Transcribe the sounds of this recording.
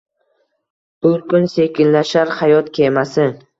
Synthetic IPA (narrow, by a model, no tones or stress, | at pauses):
b̥ʊlˠkʰʊnse̞kʲɪnlaʃaɾhajɒt̪kʲʰemasɪ